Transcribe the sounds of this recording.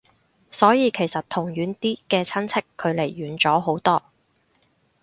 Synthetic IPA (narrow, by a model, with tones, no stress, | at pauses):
sɔː˨˥jiː˨˧kʰe˨˩jsɐ˨t̚t̪ʰʊ˨˩ŋjyː˨˥nt̪iː˥kɛː˧t͡sʰɐ˥nt͡sʰɪ˥kʰːɵ˨˧ɥle˨˩jːyː˨˥nt͡sɔː˨˥ɦo˨˥wt̪ɔː˥